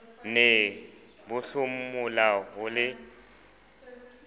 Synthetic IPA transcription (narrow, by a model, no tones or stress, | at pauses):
nɛ | bʊɬʊm̩mʊlaɦʊlɪ